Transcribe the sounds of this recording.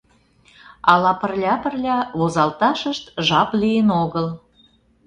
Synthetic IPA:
ɑlɑpə̆rlʲɑpə̆rlʲɑβozɑlt̪ɑʃəʃt̪ʒɑplijenoɣəl

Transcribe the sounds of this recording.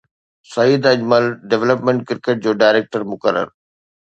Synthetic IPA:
sɐjid̪ɐd͡ʑməlɖeʋləpmẽɳʈ̚kɪɾkeːʈ̚d͡ʑoːɖaːɪɾeːk̚ʈəɾmʊkəɾːə̰ɾ

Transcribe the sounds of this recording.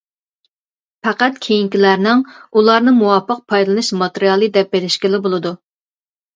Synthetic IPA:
pæqæt̪̚kʲʰejiŋkʲilæɾnɪŋulˠɑɾnɨmuwɑpʰːəq̚pʰɑjllˠɨnɨʃmɑt̪eɾijɑlˠɨd̪ɛp̚beɾɪʃkʲɪlɪbolˠɨd̪u

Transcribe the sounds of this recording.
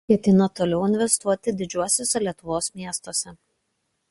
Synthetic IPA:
kʲɛt̪ʲɪnɐt̪oːlʲɛʊɪnʲʋʲɛst̪uɔt̪ʲɪd̪ʲɪd͡ʒʲuɔsʲoːsʲɛlʲiɛt̪ʊʋoːsmʲiɛst̪oːsʲɛ

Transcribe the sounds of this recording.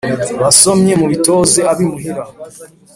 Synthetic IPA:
βaso̞mɲe̞muβito̞ːze̞aβimuɦeɾa

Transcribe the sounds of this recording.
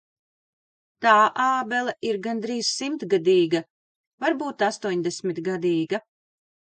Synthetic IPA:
t̪aːʔaːbɛlˠaiɾɡand̪ɾiːz̥simt̪ɡad̪iːɡa | vaɾbuːt̪ast̪uɔɲd̪ɛsmʲit̪ɡad̪iːɡa

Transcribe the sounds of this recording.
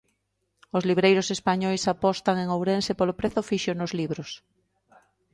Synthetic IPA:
ozliβɾejɾosespaɲɔjsapɔst̪aŋeŋowɾensepolopɾeθofiʃonozliβ̞ɾos

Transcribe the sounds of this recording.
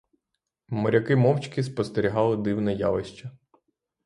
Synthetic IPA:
mɔɾʲɐkɪmɔwt͡ʃʲkʲɪspɔst̪eɾʲiɦɑlˠɪd̪iwnɛjɑ̰ʋɪʃt͡ʃɐ

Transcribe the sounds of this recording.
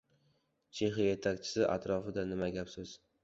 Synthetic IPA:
t͡ʃʰe̞χɪje̞t̪ʰakʲt͡ʃʰɪ̥sɪʔa̰t̪ʰɾɒfɪd̪anɪmaɡʲapsɪz̥

